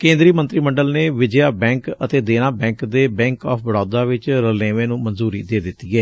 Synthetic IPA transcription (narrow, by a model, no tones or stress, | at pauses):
kẽːnd̪ɾiːmə̃nt̪ɾiːməɳɖəlneːʋɪd͡ʒjaːbɛ̃ːŋkət̪eːd̪eːñaːbɛ̃ːŋkd̪eːbɛ̃ːŋkɔːpʰbəɽɔːd̪aːʋɪt͡ʃɾəleːʋẽːnũːmənzuːɾiːd̪eːd̪ɪt̪ːiːɛː